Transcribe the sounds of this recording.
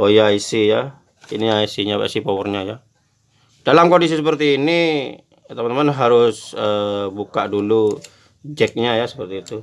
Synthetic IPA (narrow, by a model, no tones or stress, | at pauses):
ojaisija | iniaisiɲaa̰sipowərɲaja | d̥alamkondis̬isəpərt̪iːni | t̪əmant̪əmanɦaɾʊsəbuka̰ʔdulu | d͡ʒɛk̚ɲajasə̥pərt̪iːt̪u